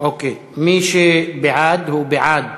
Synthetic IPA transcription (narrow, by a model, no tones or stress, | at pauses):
okeː | mĩːʃebɪʕaːd̪huːbɪʕaːd̪̚